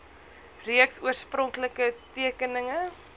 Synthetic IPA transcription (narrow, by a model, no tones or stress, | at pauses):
riəksuərsprɔŋkləkətiəkənəŋə